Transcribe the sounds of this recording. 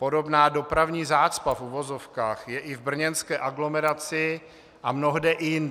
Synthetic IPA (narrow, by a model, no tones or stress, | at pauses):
po̞do̞bnaːdo̞pɾavɲiːzaːt͡spafuvo̞zo̞fkaːxjɛʔɪvbr̩ɲɛnskɛːʔaɡlo̞mɛɾat͡sɪ | ʔamno̞ɦdɛʔɪjɪn